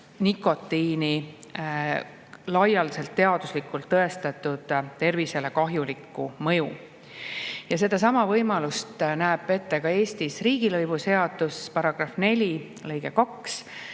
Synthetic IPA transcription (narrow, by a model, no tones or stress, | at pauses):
nikːˑo̞t̪ːiːni | lɑjɑlse̞lt̪ːe̞ɑd̪uslikːˑult̪ːɤe̞st̪ɑt̪ːˑud̪̥t̪e̞rvise̞le̞kɑɦjulikːumɤ̞ju | jɑs̬e̞d̪̥ɑs̬ɑmɑvɤjmɑlust̪næːb̥e̞t̪ːe̞kɑe̞ːst̪isriːɡ̥ilɤjbushe̞ɑd̪̥uspɑɾɑɡ̥rɑfne̞lʲi | lɤjɡ̥ekɑks